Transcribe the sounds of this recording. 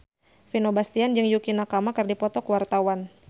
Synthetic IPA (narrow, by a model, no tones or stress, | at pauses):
finobast̪iand͡ʒɨŋjukinakamakɨrdipɔt̪ɔkwart̪awan